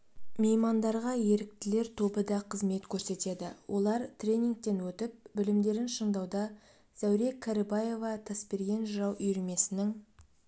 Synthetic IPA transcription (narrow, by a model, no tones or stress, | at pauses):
mejmɑnd̪ɑɾʁɑje̞ɾɪk̚t̪ɪle̞ɾt̪ʰo̞bəd̪ɑqʰəzme̞t̪kʲʰɵɾse̞t̪e̞d̪ɪwʔo̞lˠɑɾt̪rʲe̞nʲiŋk̚t̪e̞nwɵt̪ɪp̚bɪlɪmd̪e̞ɾɪnʃəɴd̪ɑwd̪ɑ | z̥æwɾekʰːaɾɪbɑje̞vɑt̪ʰɑspe̞ɾɡʲe̞nʒəɾɑwʏjɾeme̞sɪnɪŋ